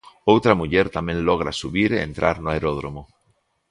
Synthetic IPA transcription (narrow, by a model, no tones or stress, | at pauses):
owt̪ɾamuʎeɾt̪amẽnloɣ̞ɾasuβiɾeḛnt̪ɾʔaɾnoaeɾoð̞ɾomo